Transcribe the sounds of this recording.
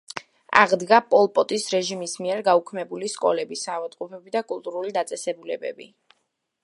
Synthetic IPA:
a̰ʁd̪ɡapʼɔlˠpʼɔt̪ʼisɾɛʒimismiɛɾɡaukʰmɛbuliskʼɔ̰lɛbisavat̪ʼqʼupʰɛbid̪akʼulˠt̪ʼuɾulid̪at̪sʼɛsɛbulɛ̰bɛ̰bḭ

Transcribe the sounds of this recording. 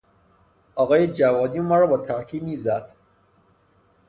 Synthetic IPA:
ʔɒːɣɒːjed͡ʒævɒːd̪iːmɒːɾɒːbɒːt̪ʰæɾcʰiːmiːzæd̪̥

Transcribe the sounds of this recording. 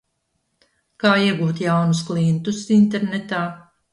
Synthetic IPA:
kaːiɛɡuːt̪jawnusklˠiɛnt̪usint̪eɾnɛt̪aː

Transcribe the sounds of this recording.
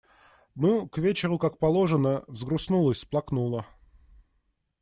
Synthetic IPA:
nukvʲet͡ɕɪɾʊkak̚pɐlˠo̞ʐənəvzɡɾʊsnulˠəsʲplˠɐknulˠə

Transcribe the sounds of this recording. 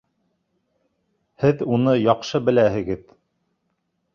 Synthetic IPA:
hɘðunɤjɑqʃɤbɘ̆læhɘ̆ɡɘð

